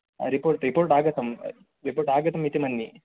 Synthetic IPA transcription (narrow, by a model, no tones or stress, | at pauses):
ɾipoːɾʈɾipoːɾʈaːɡɐt̪ɐm | ɾipoːɾʈaːɡɐt̪ɐmit̪imɐnːi